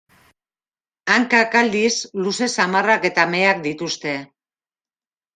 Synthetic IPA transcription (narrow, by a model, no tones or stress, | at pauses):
aŋkakald̪isluse̞samarake̞t̪ame̞ak̚d̪it̪ust̪e̞